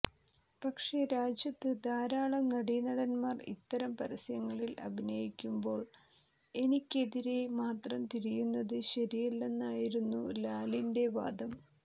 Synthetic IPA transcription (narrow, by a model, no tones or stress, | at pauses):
pɐkʂe̞ɾaːd͡ʑjɐt̪ːɨd̪aːɾaːɭɐnɐɽinɐɽɐnmaːrḭt̪ːɐɾɐmpɐɾɐsjɐŋːɐɭilɐ̰bʱinɐjikʲːumbo̞ːɭ | e̞nikʲːe̞ðiɾe̞maːt̪rɐmt̪iɾijunːɐðɨɕɐɾijɐlːe̞nːaːjiɾunːṵlaːlinde̞ʋa̰ːd̪ɐm